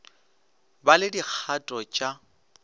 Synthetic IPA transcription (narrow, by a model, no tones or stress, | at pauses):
balɪdik͡xʰatʼɔt͡ʃʼa